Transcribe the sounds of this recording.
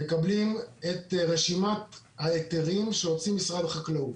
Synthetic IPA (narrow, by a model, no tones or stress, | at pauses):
mekablime̞t̪ʁeʃimat | haeteʁimʃeot͡simisʁad̪χaklaut